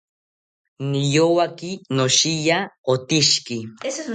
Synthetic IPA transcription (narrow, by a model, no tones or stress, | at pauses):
nijowakinoʃijaot̪iʃki